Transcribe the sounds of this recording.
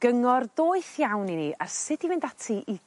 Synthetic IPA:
ɡ̥əŋɔrdoːɨθjawniniʔarsɪd̥ivɪndatʰiʔi

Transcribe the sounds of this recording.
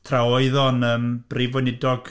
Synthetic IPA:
tʰrawɔɨðɔnəːmb̥rivɔnɪdɔɡ̥

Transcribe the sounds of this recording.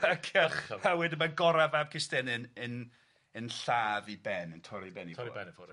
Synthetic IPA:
akʰaχawɛdɪmaɡɔɾavab̚kʰɪstɛnɨnən | ənɬaːvibɛnəntʰɔɾibɛniɛn

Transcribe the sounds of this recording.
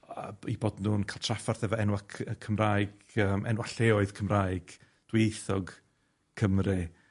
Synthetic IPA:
əiboːdnuːnkʰalˠtʰrafarθɛvɔɛnwakʰəkʰəmraːjɡ̥ | əːmʔɛ̰nwaɬeːɔɨð̥kʰəmraːjɡ̥ | d̥wejθɔɡ | kʰəmrɨ

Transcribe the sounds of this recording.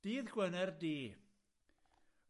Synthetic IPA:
d̥iːðɡ̥wənɛrdiː

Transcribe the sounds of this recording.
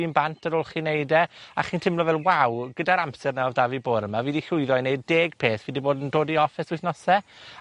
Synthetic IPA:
iːnbantʰəɾoːlˠχinejdɛaχintʰɪmlɔvɛlˠwawɡədaɾampsɛrnɛɔvdaviboːɾəmaviːdiɬʊɨðɔnejd̚deːɡ̥pʰeːθvidiboːdəndoːdiɔfɪsʊθnɔsɛ

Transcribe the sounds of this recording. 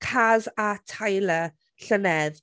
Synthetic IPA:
kʰazatʰajlə | ɬənɛð

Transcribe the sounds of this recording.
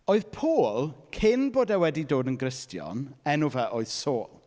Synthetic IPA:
oːɨð̥pʰoːlˠkʰɪnboːdawɛdidoːdənɡɾɪstʰjɔ̰nɛnʊvaʔoːɨð̥soːlˠ

